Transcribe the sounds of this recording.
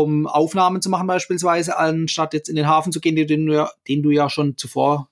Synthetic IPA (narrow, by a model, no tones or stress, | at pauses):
ʊmʔaʊfnaːmənt͡sumaχn̩baɪʃpiːls̬v̥aɪzəʔalnʃtatjɛt͡stɪndeːnɦaːfn̩t͡suɡ̥eːənːdːnːaːd̥eːnduːjaːʃoːnt͡sufoːɐ